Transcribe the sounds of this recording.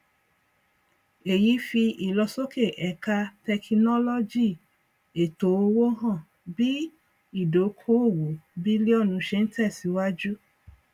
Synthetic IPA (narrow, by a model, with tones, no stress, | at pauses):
e˨ji˨˦fi˧ʔi˨lɔ˧so˦ke˦˨ʔɛ˨ka˧tɛ˧ki˧nɔ˦lɔ˦d͡ʒi˦˨ | e˨to˨˦o˧wo˦ɦã˦˨ | bi˦ | i˦˨do˨˦kʰo˦o˦˨wo˨bi˦li˦ɔ˦˨nũ˨˧˦ʃe˧n̩˦tɛ˦˨si˨˦wa˦d͡ʒu˦